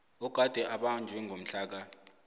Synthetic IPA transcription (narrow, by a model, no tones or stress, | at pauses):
ɔɡ̥ʱad̥ʱɛʔaɓand͡ʒʱwɛŋʱom̩ɬaːk̬a